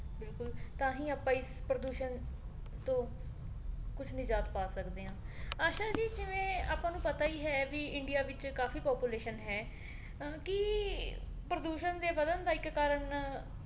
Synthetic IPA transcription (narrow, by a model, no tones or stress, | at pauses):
bɪlkʊlt̪ãːɦĩːaːpãːɪspɾəd̪uːʃən | t̪õː | kʊt͡ʃʰnɪ̃ːd͡ʒaːt̪paːsəkd̪eːɦãː | aːʃaːd͡ʒiːd͡ʒɪʋẽːa̰ːpãːnũːpət̪aːiːɦɛːʋiːɪɳɖɪjaːʋɪt͡ʃkaːfʰiːpɔːpuːleːʃənɦɛː | kɪ | pɾəd̪uːʃənd̪eːʋəd̪ənd̪aːɪkːaːɾəɳ